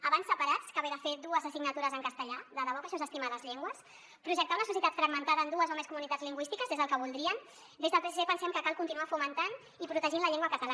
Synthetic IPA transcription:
əβansːəpaɾat͡skəβeðəfed̪uəzəsiɡnət̪uɾəzəŋkəst̪əʎaðəðəβɔkaʃɔnzəst̪imaðəzʎeŋɡwəs | pɾuʒək̚t̪aunəsus̬jit̪at̪fɾəɡmənt̪aðəːnd̪uəzomeskumunit̪add͡zzliŋɡwist̪ikəzðezðəlkəβulˠd̪ɾiən | d̪ezðəlˠpeseepənsɛmkəkalˠkunt̪inuafumənt̪an | ipɾut̪əʒinləʎeŋɡwakət̪əla

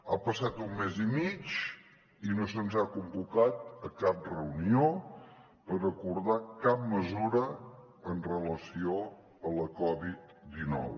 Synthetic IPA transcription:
apəsat̪umːezimit͡ʃ | inosənzakumbukat̪əkap̚rəunio | pəɾəkuɾðakap̚məzuɾə | ənrələsio | ələkɔβit̪̚ | d̪inɔ̰w

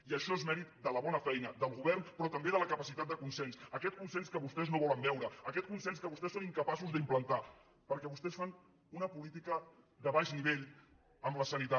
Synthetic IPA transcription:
iəʃɔezmɛɾit̪d̪ələβɔnəfɛjnəd̪əlˠɣuβɛrnpɾɔt̪əmbeðələkəpəsit̪at̪̚d̪əkunsensəkɛt̪̚kunsenskəβust̪ɛznoβɔləmbɛwɾəːkɛt̪̚kunsenskəβust̪ɛsoniŋkəpasuzðəimplənt̪a | pəɾkɛβust̪ɛsfan | unəpulit̪ikə | ðəβaʃniβeʎ | əmləsənit̪a

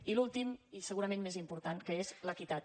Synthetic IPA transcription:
ilulˠt̪imisəɣuɾəmẽnmezimpuɾt̪ankəezləkit̪at̪

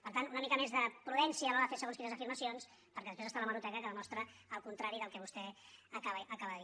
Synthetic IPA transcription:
pəɾt̪anunəmikəmezðəpɾuðɛnsiəːlɔɾðəfesəɣonkinəzəfiɾməsions | pəɾkɛðspɾezst̪aləməɾut̪ɛkəkəðəmɔst̪ɾəːlˠkunt̪ɾaɾiðəlˠkɛβust̪ɛəkaβəʔəkaβəðəði

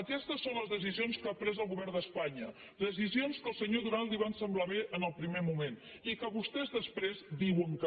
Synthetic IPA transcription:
əkɛst̪əsːonləzðəs̬izionskapɾɛzəlˠɣuβɛrd̪əspaɲə | ðəs̬izionskəlˠsəɲoðunalˠd̪iβ̞ansəmblaβeʔənəlˠpɾimemumen | ikəβust̪ɛzðəspɾezd̪iwəŋkə

